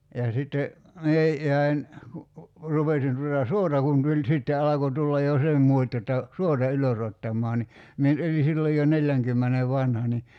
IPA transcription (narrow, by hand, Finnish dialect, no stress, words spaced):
jɑ sitːe mie jæi̞n ku rupesin tutɑ suotɑ kun tulʲ sitːe ɑlɑko tulːɑj jo se mˑuotʲ jotːɑ suotɑ yløsotːɑmˑɔɑ ni mie nyt oli silːo jo nelʲːæŋkymːene ʋɑnhɑ ni